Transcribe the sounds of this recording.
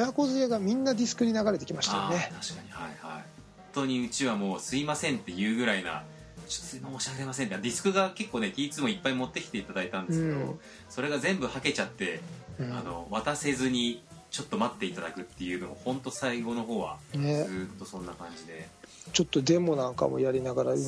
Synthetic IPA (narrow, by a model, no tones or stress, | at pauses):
jako̞zɨeɡamʲĩnːadʲisɨ̥kɯ̟ɲ̟inaɡaɾe̞t̪e̞kʲimaɕitaːnet̪ʰḁɕi̥kaɲ̟ihaiha̰ihõnnt̪o̞ɲ̟iɯ̟t͡ɕiβamo̞ːsɨimasẽ̞nt̪ːe̞jɯ̟ːɡɯ̟ɾaina̰ | t͡ɕo̥sɨimooɕaɡe̞masẽ̞nt̪ːed̪ʲisɨ̥kɯ̟ɡake̞kːoːne̞kʲiːt͡sɨmo̞ipːaimo̞t̪ːe̞kʲi̥t̪e̞it̪ad̪ait̪ãnd̪esɨkːeed̪o̞̰ | so̞ɾe̞ɡazẽ̞mbɯ̟hake̞t͡ɕat̪ːe̞ano̞̰βat̪ase̞zɨɲ̟it͡ɕo̞t̪ːo̞mat̪ːe̞it̪ad̪akɯ̟t̪ːe̞jɯ̟ːno̞mo̞̰hõ̞nt̪o̞saiɡo̞no̞ɦo̞ːβa̰nezɨːt̪ːo̞sõ̞nːakãɲ̟d͡ʑid̪e̞t͡ɕo̞t̪ːo̞d̪ẽ̞mo̞nãŋka̰mo̞̰jaɾʲinaɡaɾa